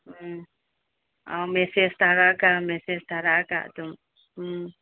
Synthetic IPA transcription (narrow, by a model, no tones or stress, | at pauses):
a̰wmɛsɛst̪aɾaʔkamɛsɛst̪aɾaʔka̰ʔt̪um